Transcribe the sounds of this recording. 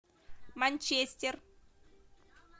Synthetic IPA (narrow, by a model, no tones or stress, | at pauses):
manʲt͡ʃesʲt̪ʲer